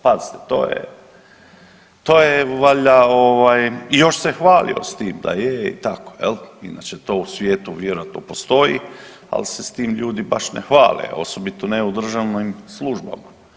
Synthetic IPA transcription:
pazit̪e̥t̪o̰ːjḛ | t̪o̞ːjeʋaʎaoʋajijo̞ʃsexʋaːlḭo̰st̪iːmd̪a̰jeḭt̪akoḛlinat͡ʃet̪o̞ːusʋjeːt̪uʋjeɾojat̪nopo̞st̪o̞jḭ | a̰lsest̪iːmʎuːd̪iba̰ʃnexʋa̰ːlḛo̞̰so̞bit̪oneud̪r̩ʒaʋnimslˠuʒba̰ma

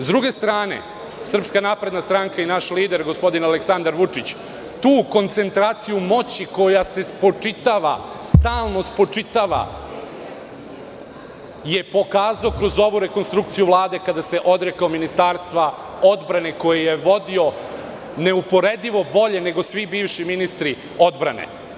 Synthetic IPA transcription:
zd̪ɾuɡe̞st̪ɾaːnḛ | sr̩pskanaːpɾe̞d̪nast̪ɾaŋkainaʃliːd̪e̞ɾɡo̞spo̞d̪inaleksand̪aɾʋut͡ʂit͡ɕ | t̪uːko̞nt̪se̞nt̪ɾaːt̪sijumo̞t͡ɕiko̞jase̞spo̞t͡ʂit̪aʋa̰st̪aːlˠno̞spo̞t͡ʂit̪aʋa̰ | je̞po̞kaːzaokɾo̞zo̞ʋuɾe̞ko̞nst̪ɾukt̪sijuvlˠaːd̪e̞kad̪ase̞ʔo̞d̪ɾekaominist̪aːɾst̪ʋa | o̞d̪bɾaneko̞jijeʋo̞d̪io̞ | neupo̞ɾed̪iʋo̞bo̞ʎe̞ne̞ɡo̞sʋibiːʋʃiminist̪ɾi | o̞d̪bɾa̰nḛ

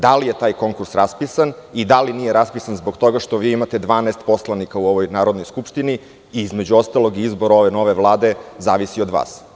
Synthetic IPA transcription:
d̪alijet̪aːjko̞ŋkuɾsɾaspisanid̪alinijeɾaspisanzboɡt̪o̞ɡaʃt̪o̞ʋiːimat̪e̞d̪ʋaːnɛst̪po̞slˠanikauoʋo̞jnaːɾod̪nojskupʃt̪ini | iizmed͡ʑuo̞st̪alˠo̞ɡiizboɾaoʋe̞no̞ʋeʋlˠaːd̪e̞zaːʋisiod̪ʋa̰ːs

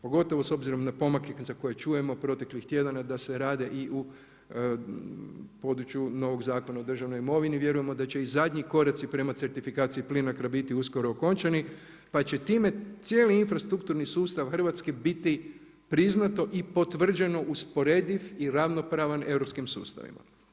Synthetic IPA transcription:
po̞ɡo̞t̪o̞ʋo̞so̞bziɾo̞mnapo̞makezako̞je̞t͡ʃuje̞mo̞pɾo̞t̪e̞klixt̪je̞d̪anad̪ase̞ɾaːd̪e̞ʔiʔu | po̞d̪ɾut͡ʃjuno̞ʋo̞ɡzaːko̞naod̪r̩ʒaʋno̞jimo̞ʋiniʋje̞ɾuje̞mo̞d̪at͡ɕe̞izad̪ɲiko̞ɾat̪sipɾe̞mat̪se̞ɾt̪ifikaːt̪sijiplinakɾabit̪iusko̞ɾo̞ːko̞nt͡ʃani | pat͡ɕe̞t̪iːme̞t̪sjeːliinfɾast̪ɾukt̪uɾnisuːst̪aʋxər̩ʋat̪ske̞bit̪i | pɾiznat̪o̞ʔipo̞t̪ʋr̩d͡ʒe̞no̞ʔuspo̞ɾe̞d̪iʋiɾaʋno̞pɾaːʋane̞wɾo̞pskimsṵːst̪a̰ʋḭma̰

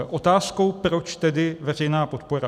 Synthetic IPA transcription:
ʔo̞t̪aːskowpɾo̞t͡ʃt̪ɛdɪvɛr̝ɛjnaːpot̪poɾa

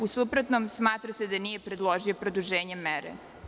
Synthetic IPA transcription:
usupɾot̪nomsmaːt̪ɾased̪anijepɾed̪lˠoʒio̞pɾod̪uʒeːɲemɛɾḛ

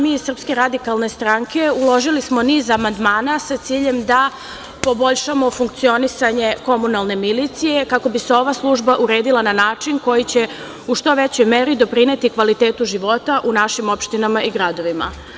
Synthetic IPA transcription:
miːir̩pske̞ɾad̪ikalˠne̞st̪ɾaŋke̞ulˠo̞ʒilismo̞niːzamand̪maːnasat̪siːʎe̞md̪a | po̞bo̞ʎʃamo̞fuŋk̚t̪sio̞nisaɲe̞ko̞munalˠne̞milit̪sije̞kako̞bise̞o̞ʋaslˠuʒbaʔuɾe̞ːd̪ilˠananaːt͡ʂinko̞jit͡ɕe̞ | uʃt̪o̞ʋe̞t͡ɕo̞jmeɾid̪o̞pɾine̞t̪ikʋalit̪e̞ːt̪uʒiʋo̞t̪aʔunaʃimo̞pʃt̪inamaiɡɾad̪o̞ʋima̰

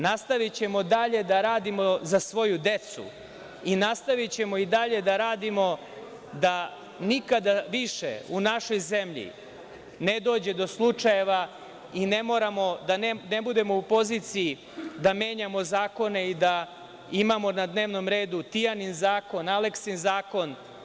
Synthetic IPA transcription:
nast̪aʋit͡ɕe̞mo̞d̪aʎe̞d̪aɾaːd̪imo̞zasʋo̞jud̪e̞t̪sṵ | inast̪aʋit͡ɕe̞mo̞id̪aʎe̞d̪aɾaːd̪imo̞ | d̪a | nikad̪aʋiʃḛunaʃo̞jzemʎḭ | ned̪o̞ːd͡ʑe̞d̪o̞slˠut͡ʂaje̞ʋa | ine̞mo̞ːɾamo̞d̪annebud̪e̞moupo̞ziːt̪siji | d̪ame̞ːɲamo̞zaːko̞ne̞id̪a | imamo̞nad̪ne̞ːʋno̞mɾe̞ːd̪ut̪ijaninzaːko̞nale̞ksinzaːko̞n

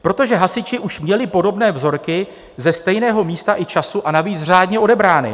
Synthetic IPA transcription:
pɾo̞t̪o̞ʒɛɦasɪt͡ʃɪʔuʃmɲɛlɪpo̞do̞bnɛːvzo̞ɾkɪ | zɛst̪ɛjnɛːɦo̞miːst̪aʔɪt͡ʃasuʔanaviːt͡sr̝aːdɲɛo̞dɛbɾaːnɪ̰

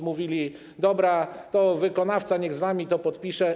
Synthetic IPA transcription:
muvʲilʲi | d̪ɔbɾat̪ɔvɘkɔnaft̪saɲɛɣzvamʲit̪ɔpɔt̪pʲiʂɛ

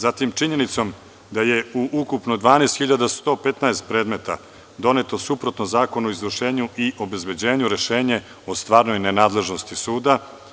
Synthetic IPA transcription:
zat̪imt͡ʃiɲe̞nit̪so̞m | d̪aje̞uʔukupnod̪ʋaːnest̪xiʎad̪ast̪o̞ːpe̞t̪naest̪̚pɾe̞ːd̪me̞t̪a̰ | d̪o̞ne̞t̪o̞supɾo̞t̪nozaːko̞nuoizʋrʃe̞ːɲuʔiʔo̞be̞zbe̞d͡ʑe̞ːɲuɾe̞ʃeːɲe̞ | ost̪ʋaːɾno̞jnenaːd̪le̞ʒno̞st̪isuːd̪a

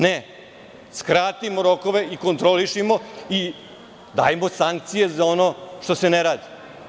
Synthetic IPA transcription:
ne | skɾaːt̪imoɾo̞koʋe̞iko̞nt̪ɾoliʃimo̞i | d̪a̰ːjemosaŋk̚t̪sije̞zao̞noʃt̪o̞se̞neɾaːd̪i

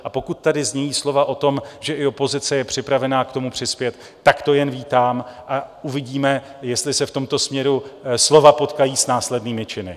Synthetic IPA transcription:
ʔapo̞kut̪̚ːadɪzɲɛjiːslo̞vaʔo̞t̪o̞mʒɛʔɪo̞po̞zɪt͡sɛjɛpr̝̥ɪpɾavɛnaːkt̪o̞mupr̝̥ɪspjɛt̪ːakt̪o̞jɛnviːt̪aːmʔauvɪɟiːmɛjɛst̪lɪsɛft̪o̞mt̪o̞smɲɛɾuslo̞vapo̞t̪kajiːsnaːslɛdniːmɪt͡ʃɪnɪ̰

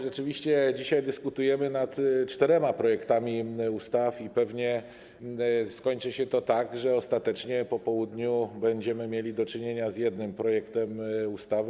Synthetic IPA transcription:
ʐɛt͡ʂɘvʲiɕt͡ɕɛd͡ʑiɕajd̪ɘskut̪ujɛmɘnat̪t͡ʂt̪ɛɾɛmapɾɔjɛkt̪amʲiust̪afipɛvɲɛ | skɔɲt͡ʂɘɕɛt̪ɔt̪aɡʐɛɔst̪at̪ɛt͡ʂɲɛpɔpɔwud̪ɲubɛɲd͡ʑɛmɘmʲjelʲid̪ɔt͡ʂɘɲeɲazjɛd̪nɘmpɾɔjɛkt̪ɛmust̪avɘ

